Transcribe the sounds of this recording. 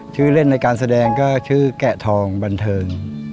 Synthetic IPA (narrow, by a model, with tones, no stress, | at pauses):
t͡ɕʰɯː˥˩le˥˩nːa˧jkaː˧ns̬a˧dɛː˧ŋkɔː˥˩t͡ɕʰɯː˥˩kɛ˨˩t̪ʰɔː˧ŋba˧nt̪ʰɤː˧ŋ